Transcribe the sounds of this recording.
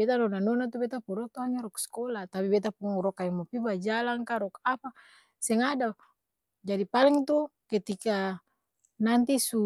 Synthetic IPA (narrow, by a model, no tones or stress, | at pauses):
bet̪anɔnanɔnat̪ubɛt̪apɔɾɔt̪ɔaɲaɾɔkskɔlat̪apibɛt̪̬apɔŋɾɔkajɔmɔpibad͡ʒalaŋkaɾɔkapa | sɛŋada | d͡ʒadipalɛŋt̪uket̪ika | nant̪isu